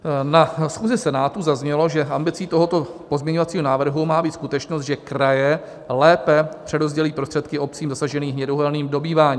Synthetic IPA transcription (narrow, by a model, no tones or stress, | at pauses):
nasxuːzɪsɛnaːt̪uzazɲɛlo̞ʒɛʔambɪt͡siːt̪o̞ɦo̞t̪o̞po̞zmɲɛɲo̞vat͡siːɦo̞naːvr̩ɦumaːbiːt̪skut̪ɛt͡ʃno̞st̪ʒɛkɾajɛ | lɛːpɛpr̝̥ɛdo̞zɟɛliːpɾost̪r̥ɛt̪kɪʔo̞p̚t͡siːmzasaʒɛniːɦɲɛdoɦɛlniːmdo̞biːvaːɲiː